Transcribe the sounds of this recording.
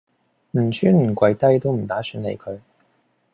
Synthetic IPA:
m̩˨˩t͡ʃʰyː˥nm̩˨˩kʷɐ˨˥jt̪ɐ˥jt̪o˥wm̩˨˩t̪aː˨˥syː˨˥nlḛ˨˧jkʰɵ˨˧ɥ

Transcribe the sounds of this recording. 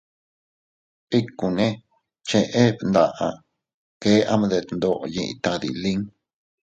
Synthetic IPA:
i˦kũ˨nẽ˦ | t͡ʃe˧ʔe˦βnd̪a˧ʔa˧ | ke˦ʔa˦mã˧ðe˧nd̪o˧ʔjĩ˧ʔḭ̃˧t̪a˧ðḭ˨lĩ˦ŋ

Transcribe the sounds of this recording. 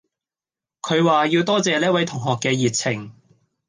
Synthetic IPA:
kʰɵ˨˧ɥwaː˨jiː˧wt̪ɔː˥t͡sɛː˨liː˥wɐ˨˥jt̪ʰʊ˨˩ŋɦɔː˨kːɛː˧jiː˨t̚t͡sʰɪ˨˩ŋ

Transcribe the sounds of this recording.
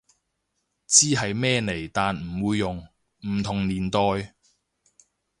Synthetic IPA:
t͡siː˥ɦɐ˨jmɛː˥ne˨˩jt̪aː˨nm̩˨˩wuː˧jːʊ˨ŋ | m̩˨˩t̪ʰʊ˨˩ŋniː˨˩nt̪ɔː˧j

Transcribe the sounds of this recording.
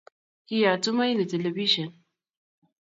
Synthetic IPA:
ki˦ja˨tu˦ma˦jni˨te˨le˨bi˦ʃɐ˨n

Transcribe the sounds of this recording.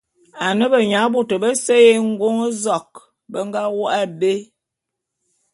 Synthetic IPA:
a˨nə˦bə˨ɲa˨˦bo˦tə˨bə˦sə˦je˦ŋ̩˦ɡo˦ŋə˦zɔ˨k̚ | bə˦ŋ˦ɡa˦wo˦ʔa˦be˦

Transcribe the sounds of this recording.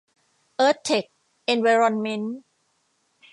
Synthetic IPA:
ʔɤː˦˥t̪ʰːe˨˩k̚ | ʔe˧nwe˧ɾɔ˧nme˦˥n

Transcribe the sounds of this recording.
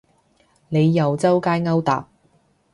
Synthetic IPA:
ne˨˧jːɐ˨wt͡sɐ˥wkaː˥jŋɐ˥wt̪a̰ː˨˩p̚

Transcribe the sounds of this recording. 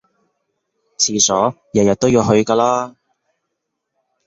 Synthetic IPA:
t͡sʰiː˨sɔː˨˥ | jɐ˨˩jɐ˨t̪̚o˥wjiː˧wɦɵ˧ɥkaː˧laː˥

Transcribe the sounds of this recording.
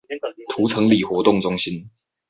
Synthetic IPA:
t̪ʰu˨˥t͡sʰɤ˧˥ŋli˨˩xwɔ˨˥t̪ʊ˥˨ŋt͡sʊ˥ŋɕi˦n

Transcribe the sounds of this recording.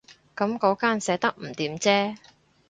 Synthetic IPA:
kɐ˨˥mkɔː˨˥kaː˥nsɛː˨˧˥t̪ɐ˥k̚m̩˨˩t̪iː˨˥mt͡sɛː˥

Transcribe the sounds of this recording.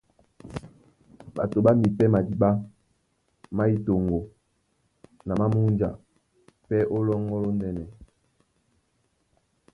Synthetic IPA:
ba˨to˨ba˦mi˨pɛ˦ma˨di˦ɓa˦ | ma˦i˨to˨ŋɡo˨ | na˨ma˦mu˦nd͡ʒa̰˨ | pɛ˦ʔo˦lɔ˦ŋɡɔ˦lo˦ndɛ˨nɛ˨

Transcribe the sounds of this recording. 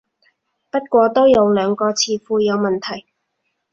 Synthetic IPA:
pɐ˥t̚kʷɔː˧t̪o˥wjɐ˨˧wlœː˨˧ŋkɔː˧t͡sʰiː˨˧fuː˧jɐ˨˧wmɐ˨nt̪ʰɐ˨˩j

